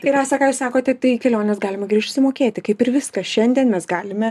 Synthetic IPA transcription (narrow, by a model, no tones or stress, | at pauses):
t̪ɪɾɑsɑkɑːjuːsɑːkoːt̪ʲɛt̪ɐɪkʲɛlʲoːnʲɛsɡɑːlʲɪmɐɡʲɾʲiɛʃʲtʲʊsʲɪmoːkʲeːt̪ʲɪkɐɪpɪɾʋʲɪskɐsʃʲɛnʲd̪ʲiɛnmʲɛsɡɑːlʲɪmʲɛ